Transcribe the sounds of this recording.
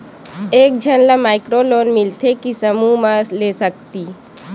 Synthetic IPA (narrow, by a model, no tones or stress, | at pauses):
eːk̚d͡ʒʱənlamaːɪkɾoloːnmɪlt̪ʰekisəmumãslesək̚t̪i